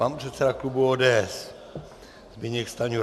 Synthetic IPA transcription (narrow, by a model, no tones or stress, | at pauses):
panpr̝̥ɛt̪sɛdaklubuoːdɛːɛs | zbɪɲɛkst̪aɲu